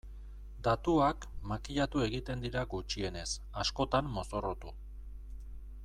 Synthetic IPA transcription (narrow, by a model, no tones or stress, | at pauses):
d̪at̪uakmakiʎat̪ue̞ɣit̪e̞nd̪iɾaɡut͡ʃie̞ne̞s | asko̞t̪amːo̞so̞ro̞t̪u